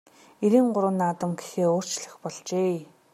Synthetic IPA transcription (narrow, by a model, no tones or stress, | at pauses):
eɾiːŋɢʊɾə̆ːnːaːt̪ə̆mɡexeːʊːr̥t͡ɕɮə̆xpɔɮt͡ɕeː